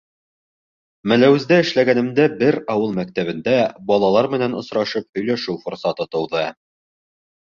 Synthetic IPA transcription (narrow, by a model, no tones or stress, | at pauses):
mæ̆læwɘ̆zd̪æɘ̆ʃlæɡænɘ̆md̪æbɘɾɒwɤlˠmæk̚t̪æβɘ̆nd̪æbɒlˠɑlˠɑɾmɘ̆nænŏsɾɑʃɤp̚hɵ̆jlæʃɘwfŏɾsɑt̪ɤt̪ɤ̆wðɤ